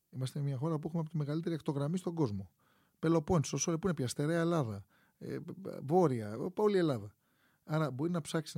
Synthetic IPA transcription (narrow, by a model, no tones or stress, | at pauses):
imɐst̪emɲɐxo̞ɾɐp̬uexumeɐpot̪ime̞ɣɐlit̪e̞ɾiɐkt̪o̞ɣɾɐmist̪o̞ɡo̞zmo̞ | pe̞lo̞po̞nssosolepuinepçɐst̪e̞ɾeɐelɐðɐ | ḛvo̞ɾiɐpolie̞lɐðɐ | ɐɾɐbo̞ɾinɐpsɐksi